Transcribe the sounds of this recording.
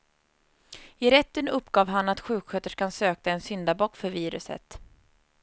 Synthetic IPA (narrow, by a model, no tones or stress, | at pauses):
ɪɾɛt̪ːənɵpːɡɑːvɦanat̪ɧʉ̟ːkɧœt̪əʂkʰansøːkaɛnsʏnd̪abɔkːfœɾviːɾɵ̰sə̰t̪